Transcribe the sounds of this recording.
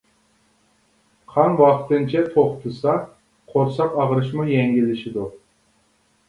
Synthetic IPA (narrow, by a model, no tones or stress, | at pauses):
qʰɑnwɑqt̪ɨnt͡ʃʰɛt̪ʰoχt̪ʰɨsɑ | qʰoɾsɑqɑʁɾɨʃmujɛŋɡʲilːɪʃɪd̪u